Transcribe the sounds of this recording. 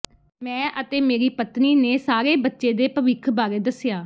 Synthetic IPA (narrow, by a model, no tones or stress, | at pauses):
mɛ̃ːʔət̪eːmeːɾiːpət̪niːneːsaːɾeːbətːʃeːd̪eːpəʋɪkʰbaːɾeːd̪əsɪjaː